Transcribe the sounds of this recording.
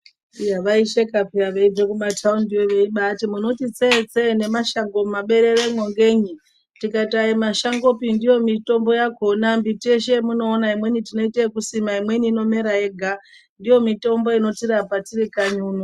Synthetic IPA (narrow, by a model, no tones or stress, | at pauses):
ijaʋaiʃekapiaʋeid͡zekumatʰaundiwoʋe̞iɓatimuno̞tit͡set͡sene̞maʃaŋɡo̞maɓe̞ɾe̞remwoŋɡe̞ɲi | tikaitaimaʃaŋɡo̞pindijo̞mito̞mbo̞jako̞nambiteʃemuno̞ːnaimwe̞nitino̞iteikusimaimwe̞niːno̞me̞ɾae̞ɡʱa | ndijo̞mito̞mbo̞ino̞tiɾapatirikaɲuno